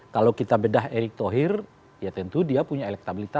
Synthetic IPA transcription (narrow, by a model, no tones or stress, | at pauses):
kalowkit̪abədaɦeɾɪk̚t̪oɦɪr | jat̪ənt̪udiapuɲaelɛk̚t̪abilit̪a